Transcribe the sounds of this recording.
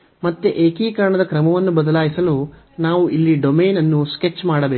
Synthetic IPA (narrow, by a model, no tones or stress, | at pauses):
mɐt̪ːeʔeːkiːkɐɾɐɳɐd̪ɐkɾɐmɐʋɐnːubɐd̪ɐlaːjisɐlu | naːʋuʔilːiɖome̞ːnɐnːusket͡ʃːmaːɽɐbeː